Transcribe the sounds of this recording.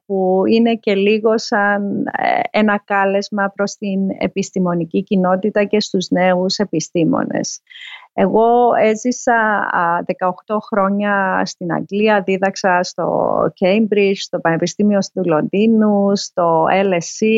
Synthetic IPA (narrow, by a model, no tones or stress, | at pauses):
puine̞ce̞liɣo̞sɐn̰enɐkɐle̞zmɐpɾo̞st̪ine̞̰pist̪imo̞nicicino̞t̪it̪ɐce̞st̪uzne̞use̞pist̪imo̞̰ne̞̰se̞ɣo̞e̞zisɐðe̞kɐoxt̪o̞xɾo̞ɲɐst̪inɐ̰ŋɡliɐðiðɐksɐst̪o̞̰cejmbɾit͡ʃst̪o̞pɐne̞pist̪imio̞st̪ulo̞nd̪inust̪o̞elesi